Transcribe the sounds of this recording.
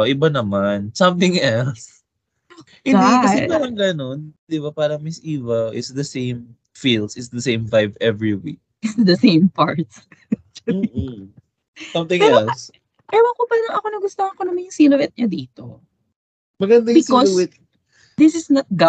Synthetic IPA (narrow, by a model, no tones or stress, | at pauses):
ʔɪbanɐmansɐ̃mt̪ɪ̃ŋɛls | ʔɪd̪ikɐɛpaːɾɐŋɡɐnond̪ɪbapaːɾɐŋmɪsʔiːvɐwʔɪ̰tsd̪ɐsẽjm | filsɪtsd̪ɐsẽjmvajvɛvɹiwḭk̚ɪtsd̪ɐsẽjmpaɹt̪̚s | m̩ː | sɐ̃mt̪ɪ̃ŋpɛːɛols | pɛɾoɐkopaɾɐŋɐko̞nɐɡʊst̪oŋɐkonɐmanjʊŋsiːlʊwɪt̪̚ɲɐd̪iːt̪o | mɐɡɐnd̪ɐjbɪskɔlwɛt̪̚ | d̪ɪsɪsnɐt̪̚ɡa